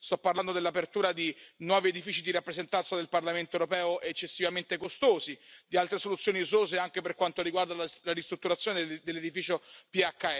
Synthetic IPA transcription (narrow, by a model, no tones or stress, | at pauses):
st̪ɔpːarland̪od̪elːapert̪uːɾad̪inwɔːvied̪ifiːt͡ʃid̪iɾapːɾezent̪ant̪sad̪elparlament̪oewɾopɛːoʔet͡ʃːesːivament̪ekost̪oːzid̪ialt̪ɾesolut̪sjoːniuzoːzeaŋkeperkwant̪oɾiɡward̪allaɾist̪ɾut̪ːuɾat̪sːjoːned̪elːed̪ifiːt͡ʃopiakːa